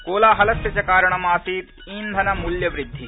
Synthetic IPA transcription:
koːlaːɦɐlɐsɐt͡ʃɐkaːɾɐɳ̃ɐmaːsiːt̪ | iːnd̪ʱɐnɐmuljɐʋɾɪd̪ʱːi

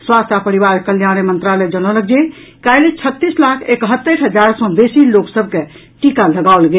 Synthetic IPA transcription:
swast̪ʰapəɾiβaɾkəljanəmənt̪ɾaləd͡ʒənɔləkd͡ʒe | kajlet͡ʃʰət̪ːislakʰekɦət̪ːəʈɦəd͡ʒaɾsɔ̃b̪esiloksəb̚ke | ʈikaləɡawlɡe

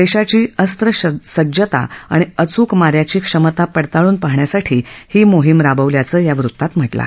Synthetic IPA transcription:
d̪eɕat͡ɕiːəst̪ɾəɕsəd͡ʑət̪a̰a̰ɽ̃iət͡suːkmaɾjat͡ɕiːkʂəmət̪apəɽt̪aɭuːnpaɦɳjasaʈʰiːhiːmoɦimɾabəʋljat͡səːjaʋɾut̪ːat̪m̤əʈla̰

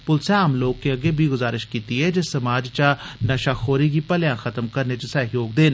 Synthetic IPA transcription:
pʊlseaːmloːkːeəɡeːbʱiɡʊzaːɾɪʃkiːt̪iɛːd͡ʒɪsəmaːd͡ʒt͡ʃanəʃaːxʰoːɾiːkiːpəljãːxʰət̪əmkəɾnet͡ʃəsəɦjoːɡ̚d̪eːn

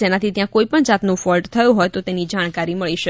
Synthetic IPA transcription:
enat̪ʰit̪jãkoipəɳd͡ʒat̪nũfɔlʈt̪ʰəjũɦɔjt̪ot̪enid͡ʒaɽ̃kaɾiməɭiʃə

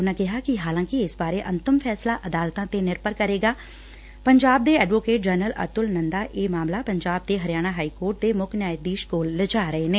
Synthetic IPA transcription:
ʊnãːkɪɦaːkɪɦaːlãːkɪɪsbaːɾeːʔənt̪əmpʰɛːslaːʔəd̪aːlt̪ãːt̪eːnɪɾpəɾkəɾeːɡaː | pəɲd͡ʒaːb̚d̪eːɛːɖʋoːkeːʈ̚d͡ʒəɾnələ̰ɾt̪ʊlnə̃nd̪aːʔeːmaːmlaːpəɲd͡ʒaːb̚d̪eːɦəɾjaːɽ̃aːɦaːikoːɾʈ̚d̪eːmʊkʰnjaːjət̪̚d̪iːʃkoːlːəd͡ʒaːɾəeːneː

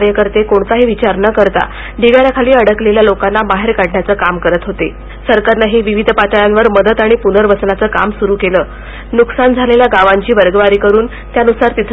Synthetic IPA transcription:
ɾjəkəɾt̪ekoɳt͡saɦiːʋit͡ɕaɾnəkəɾt̪a̰ | ɖiʋaɾjakʰaliːəɽəkleljalokanːamaɦeɾkaɽɳjat͡səːkamkəɾət̪ɦot̪e | səɾkaɾnaɦeʋiʋid̪ʱpat̪əɭjanʋəɾməd̪ət̪aɽ̃ipunəɾbəsnat͡səːka̰msuɾuːkeləː | nuksand͡zʱaleljaɡaʋaɲt͡ɕiːʋəɾɡəʋaɾiːkəɾuːn | t̪janusaɾt̪it̪ʰ

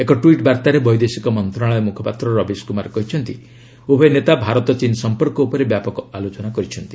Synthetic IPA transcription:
ekɔʈuiʈbaɾt̪aɾebɔjd̪esikɔmɔnt̪ɾaɭ̃ɔemukʰɔpat̪ɾɔɾɔbiskumaɾɔkɔɦit͡ʃʰɔnt̪i | ubʱɔenet̪abʱaɾɔt̪ɔt͡ʃinsɔmpɔɾkɔupɔɾebjapɔkɔalot͡ʃɔnakɔɾit͡ʃʰɔnt̪i̥

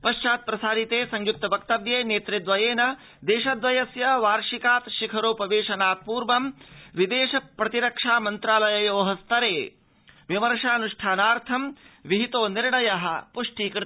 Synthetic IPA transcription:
pɐʃt͡ʃaːt̪̚pɾɐsaːɾit̪eːsɐɲjuk̚t̪ɐbʱɐkt̪ɐʋjeːneːt̪ɾid̪ʋɐjeːnɐ | d̪eːʃɐd̪ʋɐjɐsjɐʋaːɾʃikaːt̪ʃikʰɐɾoːpɐʋeːʃɐnaːt̪̚puːɾʋɐmʋid̪eːʃɐpɾɐt̪iɾɐkʂaːmɐnt̪ɾaːlɐjɐjoːɦɐst̪ɐɾeː | ʋimɐɾʂaːnuʂʈʰaːnaːɾt̪ʰɐmʋiɦit̪oːniɾɳɐjɐɦɐ̰̆puʂʈiːkɾɪ

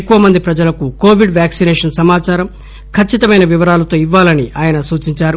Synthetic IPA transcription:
ekːuʋɐmɐnd̪ipɾɐd͡ʒɐlɐkuko̞ːʋiɖʋjaːksinɛːʂɐnsɐmaːt͡ʃaːɾɐm | kʰɐt͡ʃːit̪ɐmɐjnɐʋiʋɐɾaːlɐt̪o̞ːiʋːaːlɐniʔaːjɐnɐsuːt͡ʃiɲt͡ʃaːɾu

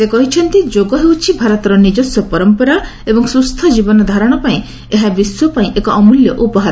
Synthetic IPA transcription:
sekɔɦit͡ʃʰɔnt̪id͡ʒoɡɔɦewt͡ʃʰibʱaɾɔt̪ɔɾɔnid͡ʒɔsjɔpɔɾɔmpɔɾaebɔŋsɾust̪ʰad͡ʒibɔnɔd̪ʱaɾɔɽ̃ɔpaĩ | eɦabiswɔpaĩʔekɔːmuljɔʔupɔɦaɾɔ

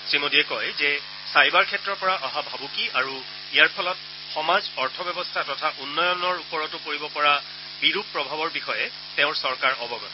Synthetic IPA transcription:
sɹimodiɛkɔjzɛ | sajbaɹkʰɛtːɹɔpɔɹaʔɔɦabʱabukiaɹu | ijaɹpʰɔlɔt̚ | xɔmazɔɹtʰɔbjɛbɔstʰatɔtʰaʔunːɔjɔnɔɹupɔɹɔtʊpoɹibɔpɔɹa | biɹup̚pːɹɔbʱabɔɹbixɔjɛ | teʊ̃ɹsɔɹkaɹɔbɔɡɔt

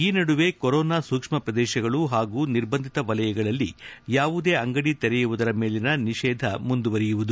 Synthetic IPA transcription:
iːnɐɽuʋeːkɔɾɔːnaːsuːkʂmɐpɾɐd̪ɛːʃɐɡɐɭuɦaːɡuːniɾbɐnd̪ʱit̪ɐʋɐlɐjɐɡɐɭɐlːḭjaːʋud̪e̞ːɐŋɡɐɽit̪eɾɛjuʋud̪ɐɾɐme̞ːlinɐniʃɛːd̪ʱɐmund̪uʋɐɾɛjuʋud̪u

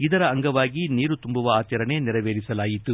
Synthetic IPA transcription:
id̪ɐɾɐːŋɡɐʋaːɡiniːɾut̪umbuʋɐaːt͡ʃɐɾɐneniɾɐʋeːɭisɐlaːjit̪u

